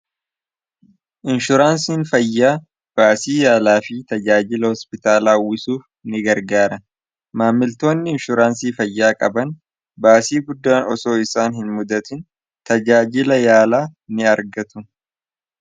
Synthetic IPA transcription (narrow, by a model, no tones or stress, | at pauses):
ʔɪnʃʊɾaːns̬iːnfɐjːaː | b̥aːsiːjaːlaːfɪt̪ɐd͡ʒaːd͡ʒɪlɐhɔspɪt̪aːlaːwɪsuːf | nɪɡɐɾɡaːɾɐ | maːmːɪlt̪o̞ːnːɪɪnʃʊɾaːnsiːfɐjːaːkʼɐbɐn | baːsiːɡʊd̪ːaːnɔso̞ːɪsaːnhɪnmʊd̪ɐt̪ɪn | t̪ɐd͡ʒaːd͡ʒɪlɐjaːlaːnɪɐɾɡɐt̪ʊ